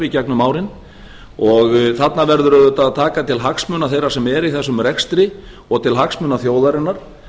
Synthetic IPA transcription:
icɛk̚nʏmaːwɾɪn | ɔɣθat̪navɛɾðʏɾœðʏt̪aðt̪ʰaːkat̪ʰɪlɦaksmœːnaθejɾasɛmɛɾiθɛsːʏmɾɛkst̪ɾɪ | ɔɣt̪ʰɪlɦaksmʏːnaθjoːwðaɾɪnːaɾ̥

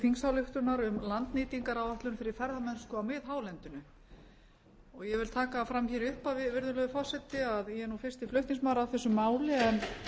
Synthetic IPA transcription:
fiŋsawlʏxt̪ʏnaɾʏmlant̪nɪːt̪iŋkaɾawaht̪lʏnfɪɾɪɾ̥fɛɾðamɛnskʏawmɪðɦaːwlɛnt̪ʏnʏ | ɔɣjɛvɪlt̪ʰaːkafɾamçɛɾʏhpavɪvɪɾðʏlœɣʏfɔ̥sɛt̪ːɪaðjɛɾnufɪr̥st̪ɪflœɥht̪niŋsmawɾaawθɛsːʏmaːwlɪɛn

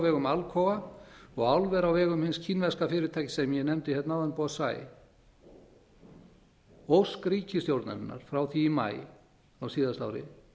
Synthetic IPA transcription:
vɛːɣʏmalkʰɔvaɔɣawlvɛɾawvɛːɣʏmhɪnscʰinvɛ̥skafɪːɾɪt̪ʰajcɪ̥sɛmjɛnɛmt̪ɪhɛt̪nawðanpɔsa̰ːj | owskɾiːcʰɪst̪jowɾt̪na̰ɾɪ̰nːa̰ɾ̥fɾawθiːma̰ːj | awsiːðast̪a̰wɾɪ̰

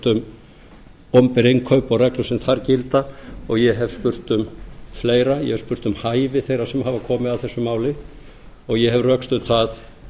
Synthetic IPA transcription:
t̪ʏm | ɔmpɪɾejŋkʰœɥpɔɣrɛklʏsɛmθaɾcɪlt̪aɔɣjɛɦɛv̥spʏr̥t̪ʏmfleːjɾajɛ̰hɛv̥spʏr̥t̪ʏmhaːjvɪθejrasɛmhɦaːvakʰɔːmɪðawθɛsːʏmaːwlɪ | ɔɣjɛɦɛvrœkst̪ʏt̪θað

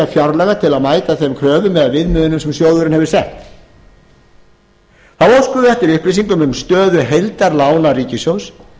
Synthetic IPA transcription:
afjaɾlɛɣat̪ʰɪlaðmaːjt̪aθemkʰɾœːvʏmːɛðavɪðmʏːðʏnʏmsɛmsjoːwðʏɾɪnhɛvɪ̥sɛht̪ | haðowskʏðʏɛht̪ɪɾʏhplisiŋkʏmʏmst̪œːðʏɦejlt̪aɾlaːwnariːcɪsjows

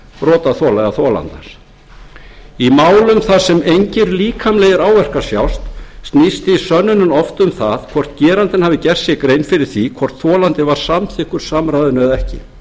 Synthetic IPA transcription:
ɾɔːt̪aθɔlajɣaθɔːla̰nt̪as | imaːwlʏmθaðsɛmejɲcɪɾliːkʰamlɛːjɪɾaːwvɛr̥kḁsja̰wst̪st̪nist̪ɪisœnːʏnʏmɔft̪ʏmθaðkʰvɔr̥t̪cɛːɾant̪ɪnhavɪcɛr̥ssjɛɣkɾejnfɪɾɪɾ̥θikʰvɔr̥t̪θɔːlant̪ɪvaɾ̥samθɪhkʏɾ̥samɾajðʏnœðɛhcɪ̰

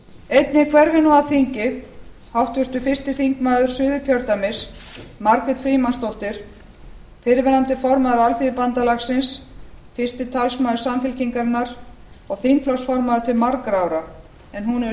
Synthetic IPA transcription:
ejt̪nɪkʰvɛɾɣɪnɔaθiɲcɪ | hawht̪vɪst̪ʏfɪst̪ɪθiŋkmaːðʏɾ̥sʏːðʏcʰœɾt̪amɪsmaɾkvɪt̪fɾiːmanst̪owht̪ɪɾ̥ | fɪɾvɛɾant̪ɪfɔɾmaːðʏɾalfiɪpant̪alaxsɪns | fɪst̪ɪt̪ʰalsmaːðʏ̥samfɪlciŋkaɾɪnːaɾ | ɔɣθiŋkflɔsfɔɾmaðʏt̪ʰɪlmaɾkɾawɾa | ɛnɦunɛ

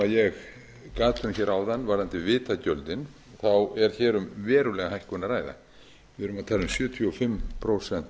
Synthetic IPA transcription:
aðjɛɣ | kaːt̪ʰʏnçɛːɾʔawðanːvaɾðant̪ɪvɪːt̪acœlt̪ɪn | θawɛɾ̥çɛːɾʏmvɛːɾʏlɛɣaɦajhkʏnaɾaːjða̰ | vɪɾʏmaðt̪ʰaːlʏmsjʏːt̪ʰjɔfɪmːpʰɾowsɛn̥t̪

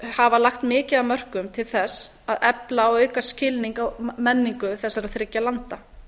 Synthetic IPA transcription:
havalaxt̪mɪːcɪðamœr̥kʏmt̪ʰɪlθɛs | aðɛplaːwœːɥkascɪlniŋkawmɛnːiŋkʏθɛsːaɾaðθɾɪcːalant̪a

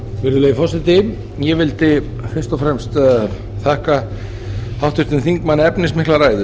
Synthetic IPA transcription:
vɪɾðʏleːjfɔsɪt̪ɪ | jɛvɪlt̪ɪ | fɪr̥t̪ɔfɾɛmst̪ | θɛhka | hawht̪ʏɾt̪ɪnθiŋkmanːɛpnɪsmɪhklaraːjðʏ

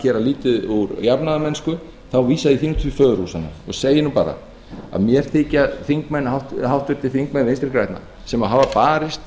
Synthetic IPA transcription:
çɛːɾaliːt̪ɪðuɾjapnaðamɛnskʏ | θawviːsaðiθiːnut̪ʰifœːðɾusanːa̰ɔ̰ɣseːjɪnupa̰ːɾa̰ | a̰ðmjɛɾ̥θeːcaθiŋkmɛnːhawht̪hawht̪vɪɾ̥t̪ʰɪfiŋkmɛnːejnst̪ɾɪ̥ɾkɾajt̪na̰ | sɛmaðɦaːvapaːɾɪst̪

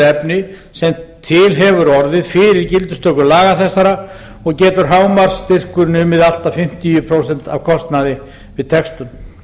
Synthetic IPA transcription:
ɛpnɪ | sɛmt̪ʰɪlɦɛvʏɾɔɾðɪðfɪɾɪɾcɪlt̪ʏ̥st̪œkʏlaːɣaθɛsːaɾa | ɔɣcɛːt̪ʏɾ̥ɦaːwmaɾ̥st̪ɪr̥kʏɾnʏmɪðal̥t̪afɪm̥t̪ijʏpʰɾoːwsɛn̥t̪avkʰɔst̪naðɪ | vɪðt̪ʰɛkst̪ʏm

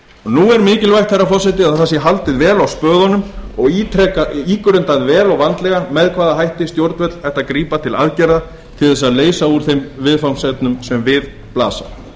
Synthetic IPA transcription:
ɔnuːɛɾmɪːcɪlvajxt̪θɛrːafɔsajt̪ɪaðθasjɛɦalt̪ɪðvɛːlawspœːɣðɔnʏmɔɣit̪ɾɛkaiːkʏɾʏnt̪aðvɛːlɔɣvant̪lɛɣamɛðkʰvaːðaɦajht̪ɪst̪jowɾt̪vɛt̪l̥ajht̪akɾiːpat̪ʰɪla̰ðcɛɾða | t̪ʰɪlθɛs̬aðleːjsauɾ̥θejmvɪðfawnsɛt̪nʏmsɛmvɪð | pla̰ːsa̰

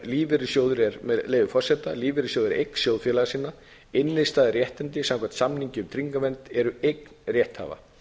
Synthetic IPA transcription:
liːvɪɾɪsjowðʏɾɛɾmɛleːjðʏfɔr̥sɛt̪aliːvɪɾɪsjoːwðɪɾʔḛjkn̥sjowðfjɛlaɣasinːa | ɪnːɪðst̪aːðɪrjɛht̪ɪnt̪ɪsãmkʰvan̥t̪samniɲcɪʏmt̪ʰɾiŋkamɛnt̪ɛɾʏejkn̥rjɛht̪ha̰ːva̰

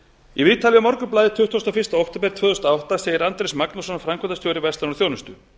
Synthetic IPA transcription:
ivɪːt̪ʰaljʏmɔɾkʏplaːðɪt̪ʰʏht̪ʰːuwst̪afɪ̥st̪aɔwht̪ɪpɛɾt̪vœːðʏst̪aawht̪aseːjɪɾant̪ɾejsmaknusɔnfɾamkvɛnt̪ast̪joːwɾɪvɛst̪anɔɾθjownʏst̪ʏ

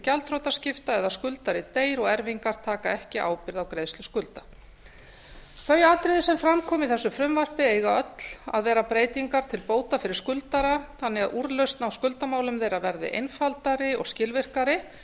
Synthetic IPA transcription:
calt̪ʰɾowt̪ascɪft̪aɛðaskʏlt̪aɾɪt̪eːjɾɔɣɛɾviŋkaɾ̥t̪ʰaːkaɛhcɪʔa̰ːwpɪɾðawkɾeːjðst̪lʏskʏlt̪ḁ | fœjaːt̪ɾɪðɪsɛmfɾamkʰɔːmɪiθɛsːʏfɾʏmvar̥pɪeːjɣaœt̪l̥a̰ðvɛːɾapɾeːjt̪iŋkaɾ̥t̪ʰɪlpoːwt̪afɪɾɪɾ̥skʏlt̪aɾaθanːɪɣaðuɾlœɥst̪nawskʏlt̪amaːwlʏmðejɾavɛɾðɪ̰ʔḛjnfalt̪aɾɪɔ̰ɣscɪlvɪr̥kaɾɪ

